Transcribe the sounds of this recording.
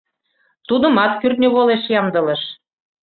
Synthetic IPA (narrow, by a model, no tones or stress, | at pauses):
t̪ud̪ə̆mɑt̪̚kyrnʲøβoleʃjɑmd̪ə̆ləʃ